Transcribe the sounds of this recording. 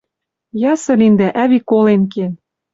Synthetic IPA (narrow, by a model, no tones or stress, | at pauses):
jɑsɤ̆lind̪æʔæβikolenk̬en